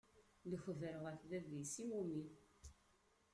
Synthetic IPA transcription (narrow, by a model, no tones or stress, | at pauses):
ləçvəɾəʁəfðævisiwumin